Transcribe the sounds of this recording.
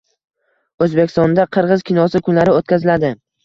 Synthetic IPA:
ɵzbekʲɪ̥st̪ɒnd̪aqʰɨɾʁɨzkʲɪnɒsɪkʰʊnlaɾɪot̪̚kʲazɪlad̪ɪ

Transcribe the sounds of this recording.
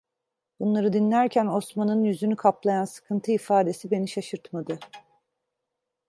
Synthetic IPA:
b̥unlˠaɾɯd̪inlʲæɾcʰæno̞smanɯnjyzynykʰaplˠajansɯ̥kʰɯnt̪ʰɯifaːd̪e̞sibe̞niʃaʃɯɾt̪mad̪ɯ

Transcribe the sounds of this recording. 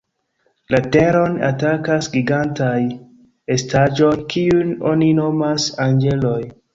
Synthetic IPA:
late̞ɾo̞na̰takasɡiɡantaj | estad͡ʒo̞jkʰiuno̞̰nino̞masanɡe̞lo̞j

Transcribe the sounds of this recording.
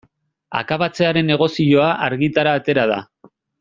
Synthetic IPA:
a̰kaβat͡se̞aɾe̞nːe̞ɣ̞o̞sio̞aʔaɾɣit̪aɾaːt̪e̞ɾað̞a̰

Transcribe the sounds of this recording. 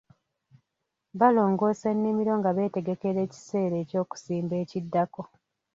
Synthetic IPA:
βalo̞ːŋɡo̞ːsenːimiɾo̞ŋɡaβe̞ːte̞ɡe̞ke̞ɾe̞ːci̥se̞ːɾe̞ːco̞ːku̥siːmbe̞ːcidːako̞

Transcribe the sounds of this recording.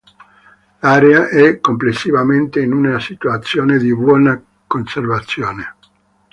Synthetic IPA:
laːɾeaʔɛkomplesːivament̪einunasit̪uat̪sːjoːned̪ibwɔna | konservat̪sːjoːne

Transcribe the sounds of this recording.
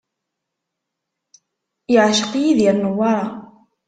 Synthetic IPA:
jəʕʃə̥qjiðjɪɾnəwːɑɾˤɑ

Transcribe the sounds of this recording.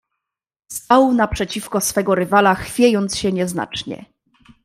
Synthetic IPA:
st̪awnapʂɛt͡ɕifkɔsfɛɡɔɾɘvalaxfʲjejɔnt̪sɕɛɲɛzna̰t͡ʂɲɛ̰

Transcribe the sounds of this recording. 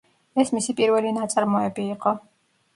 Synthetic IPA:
ɛsmisipʼiɾvɛlinat̪sʼaɾmɔɛbiːqʼɔ

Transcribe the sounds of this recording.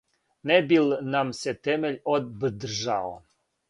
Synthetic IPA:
nebilnamset̪emeʎʲod̪̚bəd̪rʒao̰

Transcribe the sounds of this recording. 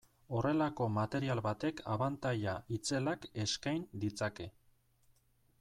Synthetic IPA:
o̞re̞lako̞mat̪e̞ɾialβat̪e̞kʰa̰βant̪aʎait͡se̞lake̞skajnd̪it͡sake̞

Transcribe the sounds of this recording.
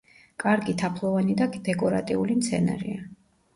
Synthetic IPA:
kʼaɾɡit̪ʰapʰlˠɔvanid̪ad̪̥ɛkʼɔɾa̰t̪ʼiulimt̪sʰɛ̰na̰ɾḭa

